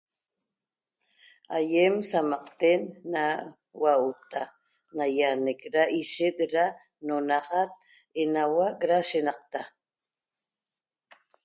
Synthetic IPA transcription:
ajemsamaqt̪enːa | waut̪a | najanekɾaʔiʃɪt̪ɾa | nonaʁat̪̚ | enawakɾaʃenɑqt̪a

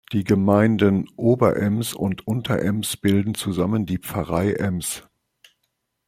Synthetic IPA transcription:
d̥iːɡəmaɪndənʔoːbɐʔɛmsʊ̰ntʔʊntʰɐʔɛmsb̥ɪldn̩t͡suzaməndiːp͡fɐʁaɪʔɛms

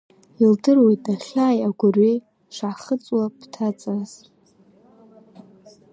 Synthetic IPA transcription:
ildɨrwejtʼaχʲaːjaɡʷʊrɥej | ʂʷʕaχət͡sʼwapʰtʰat͡sʼaz

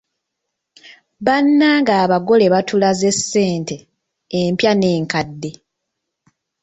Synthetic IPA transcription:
βanːaːŋɡaːβaɡo̞le̞βatʰulaze̞sːe̞ːnteː | mpjane̞ːŋkadːe̞

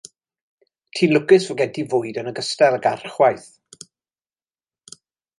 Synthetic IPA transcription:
tʰiːnlʊɡɨsvʊɡɛntʰivʊːɨdənəɡəstɛlˠəɡa̰rχwajθ

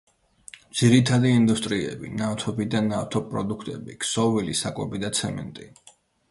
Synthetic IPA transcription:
d̪z̥iɾit̪ʰad̪iːnd̪ust̪ʼɾiɛ̰bḭnaft̪ʰɔbid̪anaft̪ʰɔpʼɾɔd̪ukʰt̪ʼɛbiksɔvilisakʼɔbid̪at̪sʰɛmɛ̰nt̪ʼi

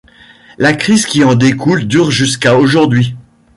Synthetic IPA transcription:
lakχizkʲiɑ̃d̪ekuld̪yʁʒyskaoʒuʁd̪ɥi

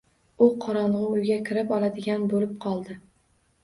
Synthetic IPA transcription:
ʊqʰɒɾɒɴʁɨʊjɡʲakʲʰɪɾɪpɒlˠad̪ɪɡʲanbolɪp̚qʰɒlˠd̪ɪ

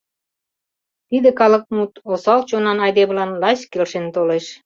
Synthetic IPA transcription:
t̪id̪ĕkɑlə̆k̚mut̪osɑlt͡ɕonɑnɑjd̪eβlɑnlɑskelʃent̪oleʃ

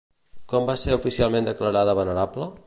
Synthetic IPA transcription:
kɔmbaseɾufisialˠmẽnd̪əkləɾaðəβənəɾaplə

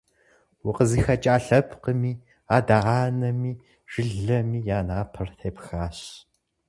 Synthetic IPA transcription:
wʊqəziːxɐt͡ʃʼaːɬɐpʰqəmiː | aːdaːʁaːnɐmiː | ʒ̥ɪɮɐmiːjaːnaːpʰɐrtʰeːpxaːɕ

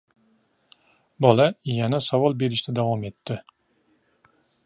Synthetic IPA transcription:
bɒlˠajanasavɒlˠbeɾɪʃt̪ad̪avɒme̞t̪ːɪ

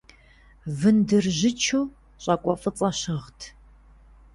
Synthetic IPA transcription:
vɨndɨrʑɪt͡ʃʰuː | ɕʼɐkʷʼɔfʼɨt͡sʼɐɕɨʁtʰ

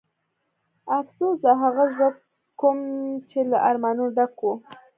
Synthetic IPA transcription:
afsozaɦaɣaʒab | komt͡ʃelaʔaɾmɑnoɖakwo

